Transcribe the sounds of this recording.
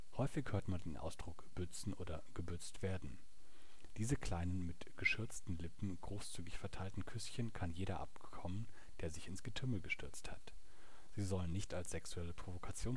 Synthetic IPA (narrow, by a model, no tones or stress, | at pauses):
hɔʏfɪçhøːɐtmandeːnʔa̰ʊsd̥ʁʊkb̥ʏt͡sn̩ʔoːdɐɡ̥əbʏt͡stv̥eːɐdn̩ | d̥iːzəkʰl̥aɪnənmɪtɡ̥əʃʏɐt͡stn̩lɪpm̩ɡ̥ʁoːst͡syːɡɪçfɛɐtʰaɪltn̩kʰʏsçənkʰanjeːɾɐʔa̰pkkʰɔmən | d̥eːɐzɪçɪnsɡ̥ətʰʏml̩ɡəʃtʰʏɐt͡stha̰t | z̥iːzɔlənɪçtalsz̥ɛksuɛləpʁ̥ovokʰat͡sjoːn